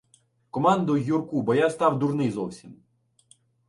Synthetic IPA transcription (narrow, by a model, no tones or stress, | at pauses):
kɔmɑnd̪ʊjurkubɔjast̪ɑwd̪urnɪjzɔwsʲim